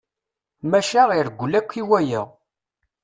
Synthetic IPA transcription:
mæʃaʁiɾɡʷːlækʷːiwæjæ̰ʁ

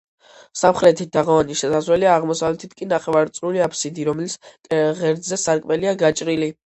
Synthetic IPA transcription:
samχɾɛt̪ʰid̪aʁɔvaniʃɛsazwɛliaːʁmɔsavlɛt̪ʰit̪̚ʰkʼinaχɛvaɾt̪sʼɾuliapʰsid̪iɾɔmɛliskʼʁɛɾd̪zɛsaɾkʼmɛliaɡat͡ʃʼɾili

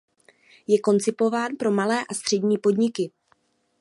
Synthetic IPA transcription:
jɛko̞nt͡sɪpo̞vaːnpɾo̞malɛːʔast̪r̝̥ɛdɲiːpo̞dɲɪkɪ

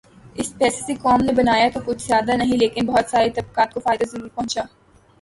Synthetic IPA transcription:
ɪspɛːsesekɔːmnebɐnaːjat̪okʊt͡ʃʰzjaːd̪anɐɦĩleːkɪnbɐɦʊt̪saːɾet̪ɐb̚kaːt̪̚kofaːɪd̪azɐɾuːɾpɐ̃ɦʊ̃nt͡ʃaː

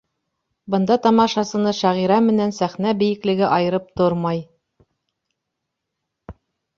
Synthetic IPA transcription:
bɤ̆nd̪ɑt̪ɑmɑʃɑsɤ̆nɤʃæʁiɾæmɘ̆nænsæχnæbɘ̆jɘ̆klɘ̆ɡɘʔɑjɤ̆ɾɤp̚t̪oɾmɑj

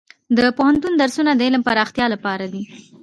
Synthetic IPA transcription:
d̪əpohant̪und̪aɾsunad̪əɪləmpaɾɑxt̪jɑlapɑɾad̪i

